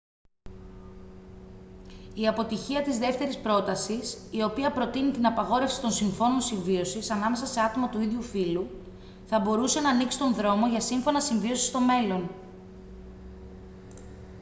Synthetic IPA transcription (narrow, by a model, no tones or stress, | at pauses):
iɐpo̞t̪içiɐt̪izðe̞ft̪e̞ɾispɾo̞t̪ɐsisio̞piɐpɾo̞t̪init̪inɐpɐɣo̞ɾefsi̥t̪o̞nsiɱfo̞no̞nsiɱvio̞sisɐnɐme̞sɐse̞ɐt̪o̞mɐt̪uiðʝufilu | θɐbo̞ɾuse̞nɐːniksi̥t̪o̞nðɾo̞mo̞ʝɐsiɱfo̞nɐsiɱvio̞si̥st̪o̞me̞lo̞n